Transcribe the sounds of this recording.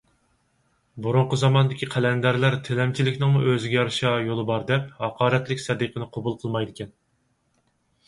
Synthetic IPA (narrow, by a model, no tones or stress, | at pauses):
buɾʊɴqəzɑmɑnd̪ɪkʲʰiqʰælɛnd̪æɾlæɾt̪ʰelɛmt͡ʃʰilɪkʲnɪŋmuʔøzɪɡʲɛjɑɾʃɑjolˠɨbɑɾd̪ɛphɑqʰɑːɾɛt̪lɪkʲsɛd̪ɨqʰənɨqʰobulˠqʰəlˠmɑjd̪ɪkʲɛn